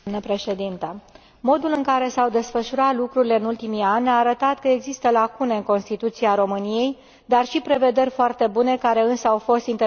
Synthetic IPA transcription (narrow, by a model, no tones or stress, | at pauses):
nəpɾe̞ʃe̞d̪int̪ə | mo̞d̪ulɨŋkaɾe̞sawd̪e̞sfəʃuɾat̪lukɾuɾile̞ɨnult̪imianʲaːɾət̪at̪kəe̞ɡzist̪əlakune̞ɨŋko̞nst̪it̪ut̪siaɾo̞mɨnije̞j | d̪arʃipɾe̞ve̞d̪e̞rʲfoart̪e̞bune̞kaɾe̞ɨnsəawfo̞st̪int̪e